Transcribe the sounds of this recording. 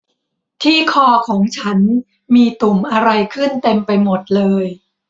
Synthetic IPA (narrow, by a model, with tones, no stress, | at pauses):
t̪ʰiː˥˩kʰɔː˧˩kʰɔː˩˦ŋt͡ɕʰa˦˥n | miː˧t̪u˨˩mʔa˧ɾa˧jkʰɯ˥˩nt̪e˧mpa˧jmo˨˩t̪̚lɤː˧j